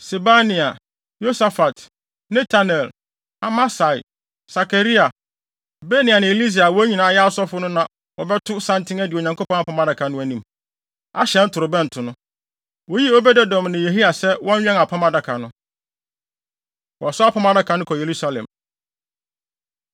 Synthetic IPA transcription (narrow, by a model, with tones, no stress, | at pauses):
se˨ba˦nĩ˨a˨ | jo˦sa˦fa˨t | nɛ̃˦tʰa˦nɛ˨l | a˨ma˦sa˨i˨ | sa˨kʰa˨ɾi˦a˨ | be˦ni˨a˨nɪ̃˨li˦s̬i˨a˨wɔ˦ɲĩ˨nã˨a˦jɛ˦sɔ˦fʊ˦nʊ̃˦nã˨ | wɔ˨bɛ˦tʰʊ˦sã˦ntʰɪ̃˦ŋæ˦dɪ˨o˨ɲã˨ŋko˦pʰɔ̃˦na˨pʰa˦ma˦da˨kʰa˨nʊ̃˦æ˨nĩ˦m | a̰˦ɕɛ˦n̩˦tʰʊ˨ɾʊ˨bɛ̃˦n̩˨tʰʊ˨nʊ̃˦ | wo˦ji˦o˦bɛ˦dɛ˦dɔ̃˨mnɪ̃˨je˨ɦi˦a˨sɛ˦wɔ̃˦ɲ˦ɥᶣɛ̃˦ŋa˨pʰã˦ma˦da˦kʰa˨nʊ̃˦ | wɔ˨sʊ˦a˦pʰã˦ma˦da˦kʰa˨nʊ̃˦kʰɔ˨je˨ɾu˦sa˦lɛ̰̃˨m